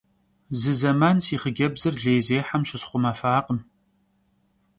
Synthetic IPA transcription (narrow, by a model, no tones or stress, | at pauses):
zɨzɐmaːnsiːχəɡʲɐbzɨrɮeːjzeːħamʃɪsχʷʊmɐfaːqəm